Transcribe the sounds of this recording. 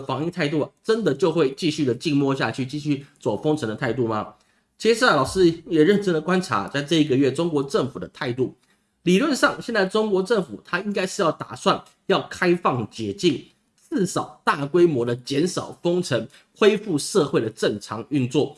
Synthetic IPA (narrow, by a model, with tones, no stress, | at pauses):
fɑ˧˥ŋi˥˧t̪ʰa˥˧ɪt̪u˥˩a˩ʈ͡ʂə˥nd̪ə˨t͡ɕjo˥˧ʊxwe˥˧ɪt͡ɕi˥˧ɕy˥˩d̪ə˩t͡ɕi˥˧ŋmwɔ˥˧ɕ̬ja̰˥˧t͡ɕʰy˥˩t͡ɕi˥˧ɕy˥˩t͡swɔ˨˩fɤ˥ŋʈ͡ʂʰə˧˥ŋd̪ə˧t̪ʰa˥˧ɪt̪u˥˩mɐ˨ | t͡ɕʰi˧˥ʂ̩˧˥˨lɑ˨˩ʊʂɻ̩˥jɛ˨˩ɻə˥˩nʈ͡ʂə˥nd̪ə˨kwa˥nʈ͡ʂʰa̰˧˥t͡sa˥˧ɪʈ͡ʂɤ˥˧˩i˧˥ɡə˧ɥɛ˥˩ʈ͡ʂʊ˥ŋkwɔ˧˥ʈ͡ʂə˥˩ŋfu˨˩d̪ə˦t̪ʰa˥˧ɪt̪u˥˩ | li˨˩lwə˥˧nʂɑ˥˩ŋɕjnt͡sa˥˩ɪʈ͡ʂʊ˥ŋkwɔ˧˥ʈ͡ʂə˥˩ŋfu˨˩t̪ʰa˥i˥ŋka˥ɪʂɻ̩˥˧jɑ˥˩ʊt̪a̰˨˩swa˥˩n | jɑ˥˨˩ʊkʰa˥ɪfɑ˥˩ŋt͡ɕjɛ˨˩t͡ɕi˥˩ŋ | t͡sɹ̩˥˩ʂɑ˨˩ʊt̪a˥˩kwe˥ɪmwɔ˧˥d̪ə˨t͡ɕjɛ˧˥nʂɑ˨˩ʊfɤ˥ŋʈ͡ʂʰə˧˥˦ŋ | xwe˥ɪfu˥˧ʂɤ˥˧xwe˥˩ɪd̪ə˩ʈ͡ʂə˥˩ŋʈ͡ʂʰɑ˧˥ŋy˥˧nt͡swɔ˥˩